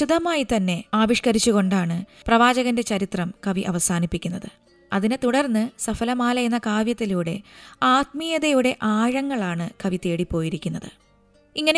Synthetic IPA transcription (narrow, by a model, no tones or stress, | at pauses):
ud̪ɐmaːjit̪ɐnːe̞aːʋiʂkɐɾit͡ɕːuɣo̞ɳɖaːɳɨprɐʋaːd͡ʑɐɣɐnde̞t͡ɕɐɾit̪rɐmkɐʋiʔɐʋɐsaːnipːikʲːunːɐðɨ | ɐðinet̪uɽɐrnːɨsɐfɐlɐmaːlɐenːɐkaːʋjɐt̪ːiluːɽe̞aːt̪̚mijɐðɐjuɽe̞ʔaːɻɐŋːɐɭaːɳɨkɐʋit̪e̞ːɽipːo̞ːjiɾikʲːunːɐðɨ̰ | iŋːɐne